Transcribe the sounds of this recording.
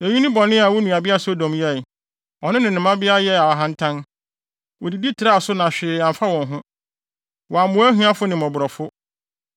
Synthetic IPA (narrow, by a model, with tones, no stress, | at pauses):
e˨ɲũ˦nɪ̃˦bɔ˨nɪ̃˦a˨wɔ˦nũ˨a˨bɪ˦a˦so˦dɔ̃˨m˦jɛ˦˨ | ɔ˨nɪ̃˦nɪ̃˨nːɪ̃˨mã˦bɪ˦a˦jɛ˦a˨a˨ɦã˦n̩˦tʰã˦n | wɔ˨di˨di˦tʰɪ˨ɾa˦˨sʊ˦nã˨ɕᶣɪ˨ã˨m˨fa˦wɔ̃˨nɦʊ̃˦ | wɔ˨a˨mʊ̃˨˦æ˦ɦũ˦a˦fʊ˦nɪ̃˨mɔ̃˨bʊ˨ɾɔ˨fʊ˦